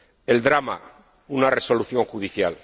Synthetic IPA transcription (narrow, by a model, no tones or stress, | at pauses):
e̞ld̪ɾama̰ | unareso̞luθjo̞ŋxuðiθjal